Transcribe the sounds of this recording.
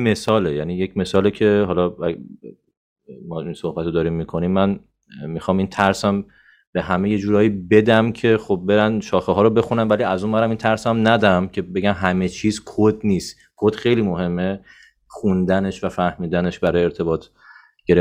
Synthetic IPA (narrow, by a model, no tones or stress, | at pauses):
me̞sɒːlejæniːje̞cme̞sɒːlecʰe̞ɦɒlɒæ | mɒːinso̞hbæt̪od̪ɒːɾiːmːikʰo̞nimːæn | mixɒːmint̪ʰæɾsæm | b̥e̞ɦæme̞je̞d͡ʒuːɾɒːiːbe̞d̪æmcʰe̞xobbe̞ɾænʃɒːxeɦɒːɾobe̞xunæmvæliæzunmæɾæmint̪ʰæɾsæmnæd̪æmcʰe̞be̞ɟæmɦæme̞t͡ʃʰiːzkʰod̪niːst̪ | kʰod̪̥xejliːmo̞ɦe̞mːe | χund̪æne̞ʃvæfæhmiːd̪æne̞ʃbæɾɒːjeɾt̪ʰe̞bɒːt̪ʰ | ɟe̞ɾe